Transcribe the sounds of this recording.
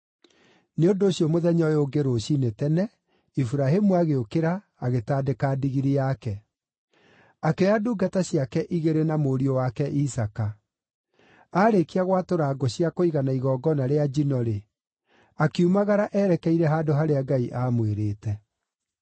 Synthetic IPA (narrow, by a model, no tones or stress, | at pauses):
neondoːɕjɔmoðɛɲɔjoɡeɾoɕinetɛnɛ | ifuɾaɦemuaɣeokeɾaː | ɣetaːdekaːdiɣiɾiakɛ | akeaduːɡataɕiakɛʔiɣeɾenamoɾiowakɛʔisaka | aːɾekiaɣwatoɾaːɡɔɕiakoiɣanaiɣɔːɡɔnaɾead͡ʒinɔɾe | akeumaɣaɾaʔɛːɾɛkɛiɾɛɦaːdoɦaɾeaɡaiʔaːmweɾeːtɛ